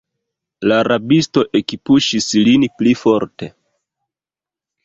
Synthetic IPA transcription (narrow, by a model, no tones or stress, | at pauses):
laɾabisto̞ʔe̞kipuʃislinplifo̞ɾte̞